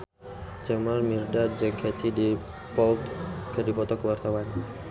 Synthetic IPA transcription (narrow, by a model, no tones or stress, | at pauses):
d͡ʒamalmirdad͡ʒaɡʰat̪ʰidi | pɔlt̪kədipɔt̪ɔkəwart̪awan